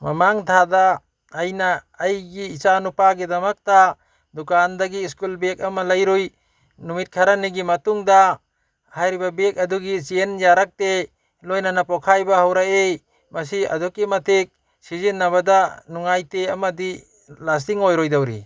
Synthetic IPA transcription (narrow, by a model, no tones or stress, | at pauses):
mamaŋtʰadaː | jnaː | jɡiːt͡ʃanupaɡidɐmɐk̚ta | dukandaɡiːskulbek̚ɐmalajɾoj | numit̚kʰaɾaniɡimɐtuŋda | hajɾibabek̚ɐduɡisienjaɾak̚te | lojnanapɔkʰajbahawɾaej | mas̬ia̰dɔkimatʰek̚ | sizenːaβadanuŋajteamadi | las̬tiŋojɾojdawɾḭ